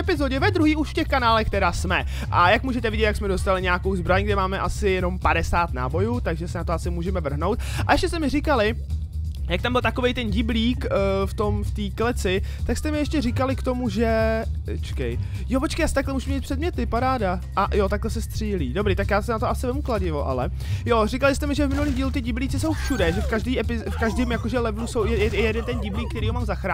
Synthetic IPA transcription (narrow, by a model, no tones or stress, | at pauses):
ɛpɪzoɟɛvɛd̪ɾuɦiːuʃfcɛxkanaːlɛxkt̪ɛɾaːsmɛ | ʔajakmuːʒɛt̪ɛvɪɟɛt̪jaksmɛdost̪alɪɲɛako̞wzbɾaɲɡdɛmaːmɛʔasɪjɛno̞mpadɛsaːt̪na̰ːbo̞jut̪aɡʒɛsɛnat̪oasɪmuːʒɛmɛvr̩ɦno̞wt̪̚ | ʔa̰jɛʃcɛst̪ɛmɪrɪkalɪ | jakt̪ambɪlt̪akovejt̪ɛnɟɪbliːkft̪o̞mft̪iːklɛt͡sɪt̪akst̪ɛmɪjɛʃcɛrɪkalɪkt̪o̞muʒɛ | t͡ʃkɛ̰j | jopot͡ʃkejaːsɪt̪aklɛmuːʒumɲɛːt̪pfr̥ɛd̚mɲɛt̪ɪpaɾaːda | ʔajot̪aklɛsɛst̪r̥iːliːdo̞bɾiːt̪akjaːsɛnat̪oʔasɪvɛmuklaɟɪvoʔa̰lɛ | jorɪkalɪst̪ɛmɪʒɛvmɪnuliːmɟiːlut̪ɪɟɪbliːt͡sɪso̞wfʃudɛʒɛfkaʒdiːʔɛpɪfkaʒdiːmjako̞ʒɛlɛvnusowjɛɛɪjɛdɛnt̪ɛnɟɪbliːk̚ːt̪ɛɾiːɦomaːmzaxɾaː